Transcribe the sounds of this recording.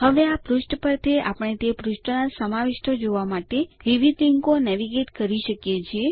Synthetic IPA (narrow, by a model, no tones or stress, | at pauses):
həʋeapɾuʃʈpəɾt̪ʰeʔapəɳ̃et̪epɾuʃʈnasəmaʋeʃʈʰəd͡ʒoʋamaʈeʋiʋid̪liŋkonɛʋiɡeʈkəɾiʃəkjet͡ʃʰie